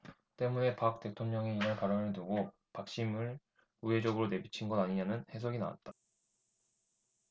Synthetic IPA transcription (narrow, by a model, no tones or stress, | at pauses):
t͈e̞mune̞pak̚t͈e̞tʰoŋɲʌŋeinaɭpaɾʌnɯɭnɯɡo | pak̚ɕ͈imɯɭ | uɦe̞d͡ʑʌɡɯɾone̞bit͡ɕʰinɡʌdaɲiɲanɯnhe̞sʰoɡina̰wa̰t̚t͈a